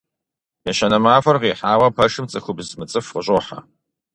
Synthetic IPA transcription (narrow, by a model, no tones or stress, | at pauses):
jɛɕɐnɐmaːfɐrʁiːħaːwɐpʰɐʂɨmt͡sʼɨxʊbzmɨt͡sʼɨfqəɕʼoːħa̰